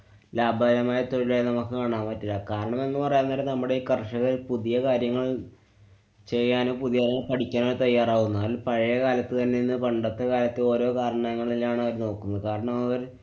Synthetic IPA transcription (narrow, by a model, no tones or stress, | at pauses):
laːbʱɐðɐɾɐmaːjɐt̪o̞ɻilenɐmukːɨkaːɳaːmpɐtːilakaːɾɐɳɐme̞nːɨpɐrɐjunːɐlenɐmːuɽe̞iːkɐrʂɐɣɐɾpuðijɐkaːɾjɐŋːɐɭ | t͡ɕe̞jːaːnoːpuðijɐɾɐɐpɐʈʰikʲːaːnoːɾt̪ɐjːaːraːɣunːaːlpɐɻɐjɐkaːlɐt̪ːɨt̪ɐnːeinːɨpɐɳɖɐt̪ːɐkaːlɐt̪ːɨo̞ːɾo̞ːkaːɾɳaɐŋːɐɭilaːɳɐʋɐɾno̞ːkːunːɐðɨkaːɾɐɳɐmɐʋɐɾ